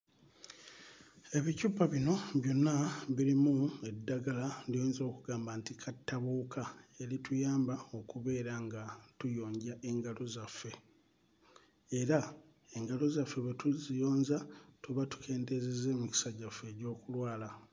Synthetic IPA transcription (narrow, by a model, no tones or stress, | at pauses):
e̞βicuːpːaβino̞βjo̞nːaβiɾimue̞dːaɡaladioːnzo̞ːkuɡaːmbaːntikʰatːaβuːkʰae̞ɾitujaːmbao̞kuβe̞ːɾaŋɡatujo̞ːɲɟaʔe̞ŋɡalo̞zafːe̞ | ɾa | e̞ŋɡalo̞zafːeβetuzijo̞ːɲzatuβatu̥kʰe̞ːnte̞zeze̞ːmuci̥saɟafːe̞ːɟo̞ːkulwaːla